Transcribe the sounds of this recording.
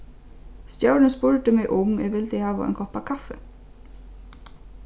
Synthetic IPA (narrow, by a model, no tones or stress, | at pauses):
st̪jɑʉɳənspʊɹʈ̪əmeɪʔʊmḛːʋɪld̪ɪhɑːʋɑ̰ʔḛːŋkʰɔpɑkʰɑfə